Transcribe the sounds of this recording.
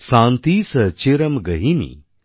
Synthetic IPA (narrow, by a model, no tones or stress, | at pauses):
sãnt̪iːsət͡ɕeɾəmɡəɦinḭ